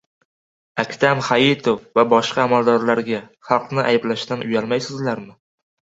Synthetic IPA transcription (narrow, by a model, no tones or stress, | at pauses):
akʲt̪ʰamχajɪt̪ʰofvabɒʃqɑːmalˠd̪ɒɾlaɾɡʲaχɑlˠqnɪʔajblaʃt̪anʔʊjalmajsɪzlaɾmɪ